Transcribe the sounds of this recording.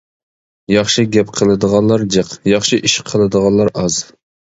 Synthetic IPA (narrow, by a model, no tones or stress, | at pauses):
jɑχʃiɡʲɛpqʰəlˠɨd̪əʁɑnlˠɑɾd͡ʒɨqjɑχʃiʔiʃqʰəlˠɨd̪əʁɑnlˠɑɾɑz̥